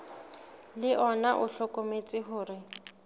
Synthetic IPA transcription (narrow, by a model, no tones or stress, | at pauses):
lɪʔɔnaʔʊɬɔkʼomet͡sʼɪɦʊːrɪ